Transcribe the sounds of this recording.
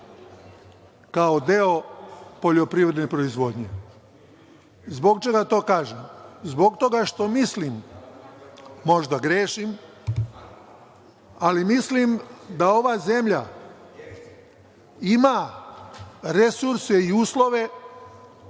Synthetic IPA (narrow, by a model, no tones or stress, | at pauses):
kaod̪eo̞po̞ʎo̞pɾiʋɾed̪nepɾo̞izʋo̞d̪ɲe̞̰ | zbo̞ɡt͡ʃe̞ɡat̪o̞ːkaːʒemzbo̞ɡt̪o̞ɡaʃt̪o̞mislim | o̞ʒd̪aɡɾeːʃim | alimislimd̪ao̞ʋaze̞mʎa | ima | ɾesuɾse̞iuːslo̞ʋe̞